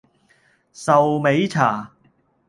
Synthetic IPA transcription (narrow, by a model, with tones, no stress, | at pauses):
sɐ˨wme˨˥jt͡sʰaː˨˩